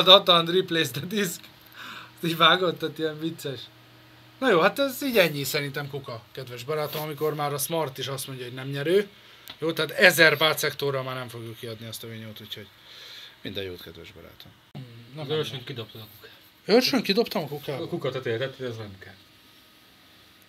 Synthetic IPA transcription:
d̪ɒt̪ɒnd̪ripleːzd̪ɛd̪isk | t̪iːɟvaːɡot̪ːaːt̪iɛɱvit̪sːɛʃ | nɒjoːhat̪ɛziːɟɛɲːisɛɾint̪ɛmkukɒkɛd̪vɛʒbɒɾaːt̪omɒmiko̞rmaːɾɒsmɒrt̪iʃɒst̪mo̞ɲɟɒɦo̞ɟnɛmɲɛɾøː | joːt̪ɛːt̪ɛzɛrbaːt̪sɛkt̪orɒmaːrnɛɱfo̞ɡjukːiɒd̪niɛst̪ɒøːɲoːt̪ucho̞ɟ | mind̪ɛjo̰ːt̪kɛd̪vɛ̰ʒbɒ̰ɾa̰ːt̪om | nøɾʃøŋkid̪o̞p̚t̪od̪ɒkukaː | ørʃøŋkid̪o̞pt̪ɒmɒkukaːkukɒt̪ɛt̪eːt̪ɛt̪hodɛznɛmkɛl

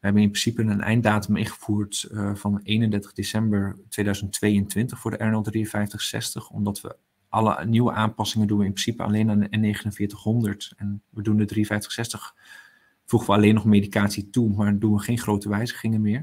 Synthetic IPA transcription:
ʋəɦɛbənɪnmprɪsipənənʔɛ̰jndaːtəmɪ̰χəv̥uːɹtvɑnejnəndɛtə̥χdesɛmbəɹtʋejdœɥzəntʋejəntʋɪntəχfʊːɹdəʔɛɹɛnɛlˠdrijənvɛjftəχsɛ̰stəχɔ̰mdɑtʋə̰ | ʔɑlə̰niwə̰ʔaːnpɑsɪŋəndunʋəɪmprɪsipəɑ̰lejnannːejχənənvɪːɹtəχɦɔndəɹtɛnʋədundədriə̃fɛjftə̥χsɛstəχ | fuχəʋəɑlejnːɔχmejdikaːtsitumaːɹdunʋəχejnχrowtəʋɛjzəχɪŋəmɪːɹ

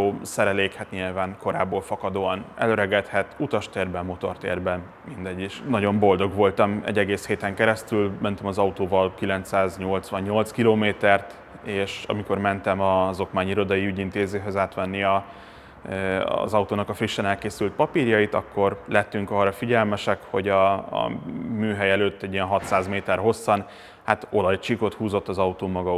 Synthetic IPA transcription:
oːsɛɾɛleːkhɛt̪ɲilvaːŋko̞ɾa̰ːbːoːlfɒkɒd̪oːɒnɛ̰løɾɛɡɛt̪hɛt̪ut̪ɒʃt̪eːrbɛmo̞t̪o̞rt̪ḛːrbɛ | mind̪ɛɟːiʃnɒɟo̞mbo̞ld̪o̞ɡʋo̞lt̪ɒmɛ̰ɟːɛɡeːsheːt̪ɛŋkɛɾɛst̪ylmɛnt̪ɛmɒzɒut̪oːvɒlkilɛnt̪saːzɲo̞lt̪sʋɒɲːo̞lt̪skiloːmeːt̪ɛrt̪ | eːʃɒ̰miko̞rmɛnt̪ɛmɒzo̞kmaːɲiɾo̞d̪ɒjiyɟint̪eːzeːɦøzaːt̪ʋɛnːiɒ | zɒut̪oːnɒkɒfriʃːɛnɛlkeːsylt̪̚pɒpiːrjɒjit̪ɒ̰kːo̞rlɛt̪ːyŋkɒːrːɒfiɟɛlmɛʃɛkho̞ɟɒ̰ | myːɦɛjɛløːt̪ːɛɟijɛnɦɒt̪saːzmeːt̪ɛrɦo̞sːɒn | hat̪o̞lɒjt͡ʃiko̞t̪huːzo̞t̪ːɒzɒut̪oːmɒɡɒ

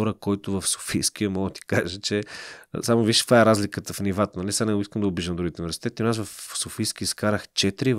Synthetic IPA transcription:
ɔɾəkɔjt̪ʊvəfso̥fijsk̟iəmɔɡd̪ət̪i̥kaʒət͡ʃɛ̰samoviʃt̪vaɛɾazlikət̪əfnivat̪ənɐlisanɛɡʊiskəmd̪əʊbiʒd̪əmd̪ɾuɡit̪ʊnivɛɾsi̥t̪ɛt̪ionasvəfsofijsk̟ʲiiskaɾəxt͡ʃɛt̪ɾiv

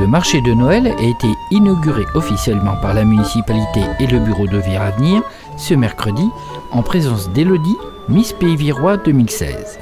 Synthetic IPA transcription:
ləmaʁʃed̪ənɔɛla̰et̪einɔɡʲyʁeʔɔfisjɛlmɑ̃paʁlamynisipalit̪eːləbyʁod̪əviʁavniːʁ | səmɛʁkχəd̪i | ɑ̃pχezɑ̃sd̪elɔd̪i | mispeiviʁwad̪əmilsɛ̰z̥

